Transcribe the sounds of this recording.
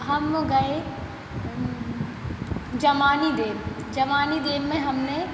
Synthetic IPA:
ɦɐmɡɐe | d͡ʒɐmaːnid̪eːʋ | d͡ʒɐmaːnid̪eːʋːẽɦɐmne

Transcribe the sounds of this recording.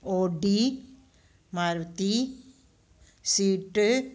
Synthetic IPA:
oːɖi | maːɾʋət̪i | siːʈ

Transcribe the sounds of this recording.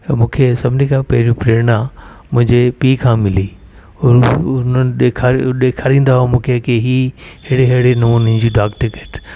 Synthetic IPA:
mũːkʰesɐbʱnikʰãːpɐɦɪɾijũpɾeɾnã | mʊ̃ɦɪ̃ɲd͡ʑepiːkʰãːmɪli | ʊɾʊnənɗeːkʰaɗeːkʰaːɾĩːnd̪aɦomũːkʰekeɦiɦɪɽeɦeɽenɐmuːnɦɪ̃ɲd͡ʑiɖaːkʈɪkeːʈ

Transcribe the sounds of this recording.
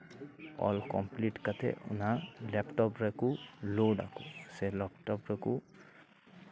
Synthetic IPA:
ɔ̰lkɔmpliʈkatɛ̰ʔʊ̰nalɛpʈɔpɹakʊloɖa̰kʊ̃sɛlɛp̚ʈɔpɹaku

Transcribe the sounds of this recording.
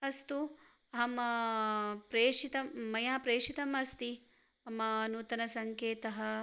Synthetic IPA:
ɐst̪u | ɐɦɐmɐ | pɾeːʂit̪ɐmːɐjaːpɾeːʂit̪ɐmɐst̪i | ɐmɐnuːt̪ɐnɐsɐŋkeːt̪ɐɦɐ

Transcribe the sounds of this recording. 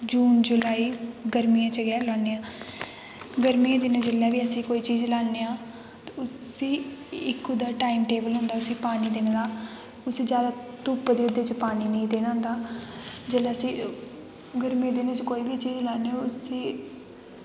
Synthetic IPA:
d͡ʒuːnd͡ʒʊlaːiːɡəɾmiːãːt͡ʃəɡɛːlaːneːãː | ɡəɾmiːãːd̪ɪned͡ʒeːlaːʋiːəsĩːkoːiːt͡ʃiːzlaːneːãː | t̪ːʊiːɪkʊd̪aːʈaːimʈeːbəlɦʊ̃nd̪aːʊsĩːpaːniːd̪ɪnɡ̪aː | ʊsiːd͡ʒjaːd̪aːt̪uːpd̪eːʊd̪eːt͡ʃpaːniːnəĩːd̪eːnaːʊ̃nd̪aːd͡ʒeːlaːəsĩː | ɡəɾmĩãːd̪ɪnɪt͡ʃkoːiːbiːt͡ʃiːd͡ʒlaːneʊsiː

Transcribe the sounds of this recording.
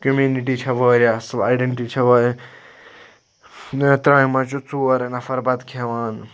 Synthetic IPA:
kəmjuːniʈ̬it͡ʃʰɐʋəːɾʲasɐbaːjɖeɳʈit͡ʃʰɐʋɐːɾ | net̪ɾaːimɐt͡ʃut͡suɐɾnɐfɐɾbɐd̪kʰeʋaːn

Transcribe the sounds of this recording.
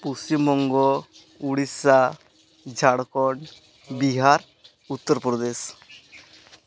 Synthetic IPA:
pusimɔŋɡɔ | uɽisa | d͡ʒʱaɽkɔɳ | biɦaɾ | ut̪ːəɾpɾɔd̪es

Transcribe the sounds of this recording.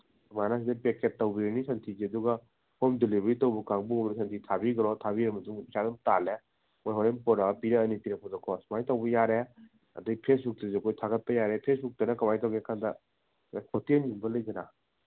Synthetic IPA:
manas̬idɐpekettːɐwbiɾɐnisɐntʰiziɐduɡɐ | homdilibɾitɐwbɐkaŋbuumɾis̬ɐntʰitʰabiɡɐɾɔtʰabiɾɐmɐtuŋisadumtale | mojɦoɾenpɔɾapiɾɐːnitiɾekʰɔzɔkʰɔsmajtawbɐjaɾe | ɐ̰dɯɡipʰesbuk̚tɐzekʰojtʰaɡɐt̚pɐjaɾepʰesbuk̚tɐnɐkamajtawɡeɐkʰandɐ | akʰotieninbɐlɐjɡɐna̰

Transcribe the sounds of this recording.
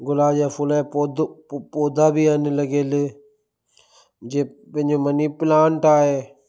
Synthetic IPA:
ɡʊlaːd͡ʑaːfʊlaːpod̪poːd̪ʱabiənɪlɐɡeːlɪ | d͡ʑeːpɐ̃ɦɪ̃ɲd͡ʑomɐnipɪlãːɳʈaːɦeː

